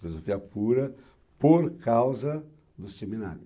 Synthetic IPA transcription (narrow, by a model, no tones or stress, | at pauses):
filozofiɐpuɾɐ | poɾkawzɐ | d̪ʊsemina̰ɾjʊ